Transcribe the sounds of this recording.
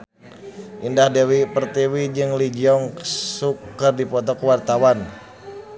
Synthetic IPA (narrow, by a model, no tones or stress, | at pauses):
ʔindahdewipərt̪iwid͡ʒɨŋlid͡ʒiɔŋsukːərdipɔt̪̬ɔkəwart̪awan